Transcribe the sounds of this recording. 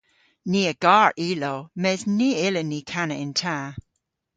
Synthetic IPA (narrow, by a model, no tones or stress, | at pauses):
niəɡ̥ɑɹʔilomɛzniɪlənikʰanəɪ̃ntʰa